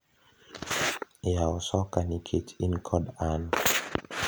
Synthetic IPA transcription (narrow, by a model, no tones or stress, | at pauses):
jaɔsɔkanikʰetʰinkʰɔdan